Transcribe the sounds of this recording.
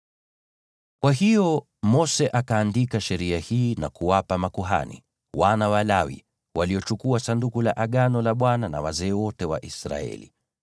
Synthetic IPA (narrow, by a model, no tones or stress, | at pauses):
kwaɦijɔ | mɔsɛʔakaːndikaʃɛɾiahiːnakuwapamakuɦa̰nḭ | wanawalawḭ | wʔaliɔt͡ʃukuasandukulaʔaɠanɔlaɓwanana̰wa̰zɛːwɔtɛwa̰ʔisɾa̰ɛ̰lḭ